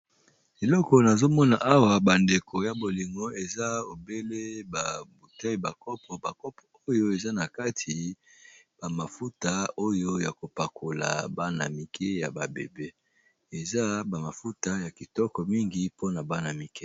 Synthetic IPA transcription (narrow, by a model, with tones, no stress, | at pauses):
e˨lɔ˦kɔ˨na˨zo˦mɔ˦na˨ʔa˦wa˨ba˨nde˨ko˨ja˨bo˨li˨ŋɡɔ˦e˨za˦o˨be˦le˦ba˨bu˨ta˦i˨ba˨kɔ˦pʰɔ˨ba˨kɔ˦pɔ˨o˦jo˦e˨za˦na˨ka˦tʰi˨ | ba˨ma˨fu˦ta˨o˦jo˦ja˨ko˨pa˨ko˨la̰˨ba˦na̰˨mi˨kʰe˦ja˨ba˨bḛ˨be˦ | e˨za˦ba˨ma˨fu˦ta˦ja˨ki˨tɔ˦kɔ˨mi˦ŋɡi˦po˦na˨ba˦na˨mi˨kɛ˦